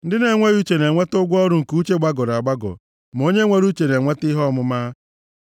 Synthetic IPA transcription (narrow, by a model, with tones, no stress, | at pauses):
n̩˦dɪ˦ne˨ŋʷe˦ju˦t͡ʃe˨ne˨ŋʷe˦tʊ˦ɡʷɔ˦ɾʊ˦ŋ̩˨ku˦t͡ʃe˦ɡ͡ba˦ɡɔ˨ɾa˨ɡ͡ba˦ɡɔ̰˨ | m˨o˦ɲe˦ŋʷe˦ɾu˦t͡ʃe˨ne˨ŋʷe˦tɪ˦ɦɔ˦mʊ˦maː˦